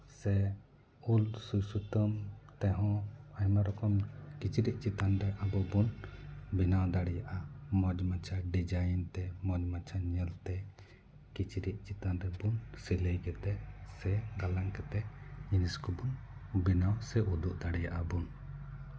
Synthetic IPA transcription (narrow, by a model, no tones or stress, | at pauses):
sɛ | ulsujsut̪əmt̪ɛɦɔ̃ajmaɾɔkɔmkit͡ʃɾiʔ̚ˀt͡ʃit̪anɾɛʔabɔbunbinawd̪aɽɛjaʔamɔd͡ʒmat͡ʃʰaɖid͡ʒajnt̪ɛmɔd͡ʒmat͡ʃʰaɲəlt̪ɛ | kit͡ʃɾiʔ̪̚t͡ʃit̪anɾɛbunsiləjɡɛt̪ɛsɛɡalaŋkɛt̪ɛiniskɔbun | binawsɛʔud̪uʔd̪aɽɛjaʔabun